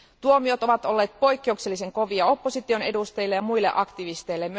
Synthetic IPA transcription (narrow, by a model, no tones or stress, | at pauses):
t̪uo̞mio̞t̪o̞ʋɑt̪o̞lːe̞ːt̪̚po̞jkːe̞ukselːise̞ŋko̞ʋiɑo̞pːo̞sit̪io̞ne̞dust̪ɑjlːejɑmujlːe̞̰ʔɑkt̪iʋist̪e̞jlːem